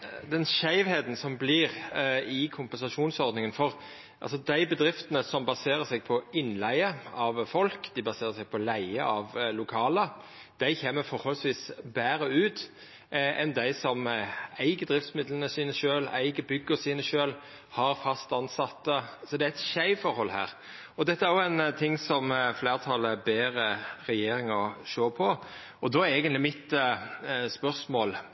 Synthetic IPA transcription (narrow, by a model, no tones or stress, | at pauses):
d̪ɛnʃæɪʋheːd̪n̩sɔmblɪʁɪkʰʊmpɛnsɑʂuːnsɔɾd̪nɪŋənfɔʁ | ʔɑ̰lsɔd̪æɪbəd̪ɾɪft̪ənəsɔmbɑseːʁəsɛɡ̚pʰɔɪnlæɪəɑʋfɔlkd̪ɪbɑseːʁəsɛɡ̚pʰɔlæɪəɑʋlʊkʰɑːlə | d̪̥æɪçeːmːəfɔɾhɔlsʋiːsbæːɾəʉːt̪ | ʔɛnd̪æɪsɔmæɪɡəd̪ɾɪft̪smɪd̪lənəsiːnəʃøːlæ̰ɪɡəbʏɡːəsiːnəʃøːl | hɑɾfɑst̪ɑnsɑt̪ːəsɔd̪ɛææt̪çæɪfɔɾhɔlhæ̰ːɾ | ɔd̪ɛt̪ːəæɾjɔæɪnt̪ʰɪŋsɔmfleːʁt̪ʰɑləbeːɾəɾɛjeːɾɪŋəʃoːpʰɔ | ɔd̪oːæeːɡənt̪lɪmɪt̪ | spœɾsmoːl